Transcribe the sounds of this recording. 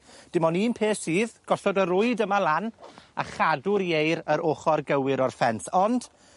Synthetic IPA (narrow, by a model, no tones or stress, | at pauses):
d̥ɪmɔniːnpʰeːsiːðɡ̥ɔɬɔdəɾʊɨdəmalˠana̰χadʊɾjejɾəɾoːχɔrɡəwɪɾɔrfɛnθɔnd̥